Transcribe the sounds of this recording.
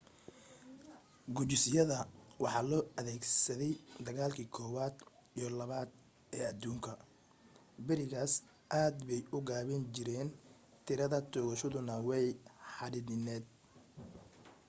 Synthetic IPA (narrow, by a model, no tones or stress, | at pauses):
ɡʊt͡ʃɪsɪjɐðɐwɑħɑːlɔːɐðɛːɡsɐðɛjd̪ɐɣaːlkʰiːkʰɔːwaːd̪ijɔlɐβaːd̪ | ɛːɐd̪uːŋkʰɐ | bɪɾɪɣaːs | ʔaːd̪bɛjʊɡaːβɛnt͡ʃɪɾɛːn | t̪ʰɪɾɐðɐt̪ʰɔːɣɐʃɐðʊnɐwɛjħɑɽɪnɪnɛːd̪̚